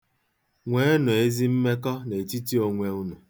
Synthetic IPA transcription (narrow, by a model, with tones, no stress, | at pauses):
ŋʷe˨˦nʊ˨e˦zi˦m̩˦me˦kɔ˦ne˨ti˦ti˦o˨ŋʷe˨ʊ˦nʊ˨